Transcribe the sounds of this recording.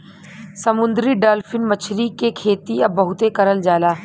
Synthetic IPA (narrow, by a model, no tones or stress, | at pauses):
sɐmʊ̃nd̪ɾiɖaːlfɪnmɐt͡ʃʰɾikekʰeːt̪iɐbːɐɦʊt̪ekɐɾəld͡ʒaːlaː